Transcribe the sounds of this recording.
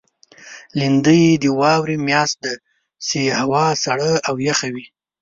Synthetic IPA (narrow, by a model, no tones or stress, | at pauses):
lind̪əjd̪əwɑwɾimjɑst̪̚d̪ə | sehawɑsaɽəawjaxawi